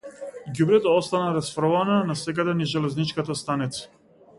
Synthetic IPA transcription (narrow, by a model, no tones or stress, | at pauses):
ɡubɾɛt̪aɔst̪anaɾasfɾɔvananasɛkad̪ɛniʒɛlɛznit͡ʃkat̪ast̪anit̪sḁ